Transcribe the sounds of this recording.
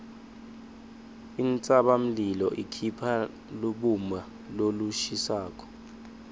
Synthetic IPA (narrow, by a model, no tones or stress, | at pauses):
int͡sʼaɓam̩lilɔ̰ʔikʰipʰa | luɓuma | loluʃisaːk̬ʼɔ̥